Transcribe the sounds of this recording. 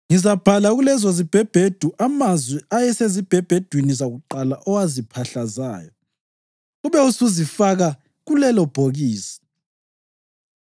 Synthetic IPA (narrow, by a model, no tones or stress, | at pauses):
ŋizab̥ʱalaɣulɛzɔzib̥ʱɛb̥ʱed̥ʱuʔamazwiajɛsezib̥ʱɛb̥ʱɛd̥ʱwinizaɣuǃalaʔɔwazipʰaɬaza̰ːjɔ | ɣuβɛusuzifaɣa | ɣulɛlɔb̥ʱoɣiːsi̥